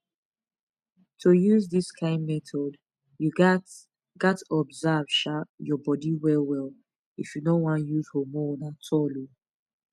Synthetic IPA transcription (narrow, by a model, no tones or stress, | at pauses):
tʰojuzðiskʰãɪ̃ndmɛtʰɔd | ju | ɡ̥atɔbzav̥ʃajɔbɔdiwɛlwɛl | ifjunowãnjuzhomɔnatʰɔlo